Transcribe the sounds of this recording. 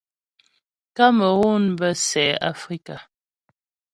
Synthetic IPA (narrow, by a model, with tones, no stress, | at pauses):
ka˦mə˨ɣu˦˨nbə˦sɛː˨˦a̰˦fɾi˦ka˨